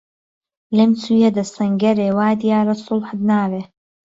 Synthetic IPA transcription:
lemt͡sujɛd̪ɐsɐŋɡɐɾeːwaːd̪ijaːɾɐsʊlħɨd̪naːveː

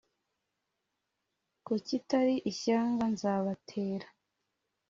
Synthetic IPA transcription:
kucitaɾiʔiçaːŋɡanzaβatʰeːɾḁ

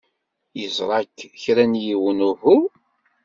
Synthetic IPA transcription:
jəzˤɾˤɑkːçɾænjiwənʊhu

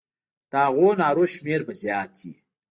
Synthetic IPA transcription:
t̪aːɣonaːɾoʃmeːɾbɐzjaːt̪ʰḭ

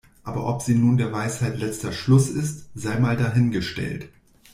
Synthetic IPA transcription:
ʔʔaːbɐ̰ʔɔpz̥iːnuːndeːɐvaɪshaɪtlɛt͡stɐʃlʊsɪstz̥aɪmaːldaːɦɪnɡəʃtɛ̰lt

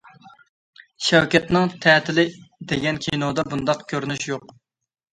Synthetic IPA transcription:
ʃɛwkʲɛt̪nɨŋt̪ʰɛːt̪ʰɪlɪd̪eɡʲɛnkʲʰijnod̪ɑbund̪ɑqkʲʰøɾnyʃjoq

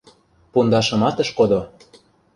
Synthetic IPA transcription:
pund̪ɑʃɤ̆mɑt̪ə̆ʃkod̪o

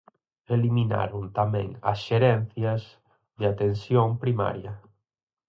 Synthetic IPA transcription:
elimina̰ɾʊnt̪amɛ̰̃ŋɐ̰sʃeɾɛnθjɐs | ðɪat̪ensjoŋpɾima̰ɾjɐ

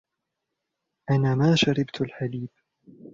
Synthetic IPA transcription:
ʔanaːmaːʃaɾɪbt̪alħaliːb

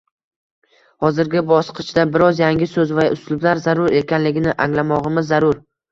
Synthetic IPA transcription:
hɒzɪɾɡʲɪbɒsqʰɨt͡ʃʰd̪abɪɾɒzjaŋɡʲɪsɵzvaʔʊslʊblaɾzaɾʊɾe̞kʲanlɪɡʲɪnɪʔaŋlamɒʁɨmɪzːaɾʊɾ

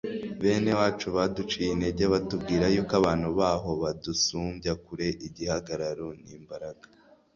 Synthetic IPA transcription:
βe̞ːne̞waːt͡ʃuβadut͡ʃijineɾɟaβatub̚ɡiːɾajuːkaβaːn̥huβaːɦo̞βadusuːmbjakuɾe̞ʔiɟihaɡaɾaɾoniːmbaɾaɡ̥ḁ

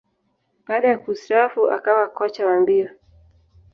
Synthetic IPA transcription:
ɓaːɗajakustafuʔa̰kawakɔt͡ʃawambia

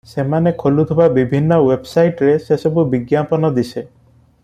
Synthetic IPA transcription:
semanekʰolut̪ʰibabibʱinːɔwebsajʈɾesesɔbubiɡjapɔnɔd̪ise

